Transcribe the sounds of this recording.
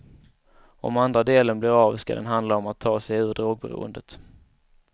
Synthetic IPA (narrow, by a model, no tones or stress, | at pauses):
ɔ̰mand̪ɾad̪eːlənblɪɾaːvska̰d̪ɛ̰nɦand̪laɔmat̪ʰːɑːsɛjʉ̟ːɾɖɾoːɡ̚bɛ̰ɾṵːə̰nd̪ət̪